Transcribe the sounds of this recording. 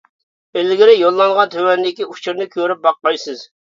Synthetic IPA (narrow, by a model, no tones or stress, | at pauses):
elɡʲɪɾɪjolˠːɑŋʁɑnt̪ʰøwɛnd̪ɪkʲiut͡ʃʰuɾnɨkʲʰøɾyp̚bɑqːɑjsɨz̥